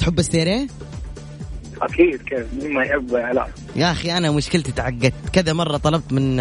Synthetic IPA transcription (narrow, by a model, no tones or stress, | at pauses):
t̪ħʊbːɪsːeːɾeː | ʔa̰kiːd̪keːfmɪmajħɪbʕala̰ː | jaʔxiʔanamʊʃkɪlt̪t̪ʕaɡːad̪̚t̪kɪðamɑrˤːɑt̪ˤɑlɑb̚t̪mɪn